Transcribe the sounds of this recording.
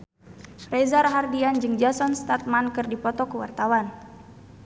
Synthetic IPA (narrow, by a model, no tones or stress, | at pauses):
rɛzarɦardiand͡ʒɨŋd͡ʒasɔnst̪at̪̚mankɨrdipɔt̪ɔkəwa̰rt̪awan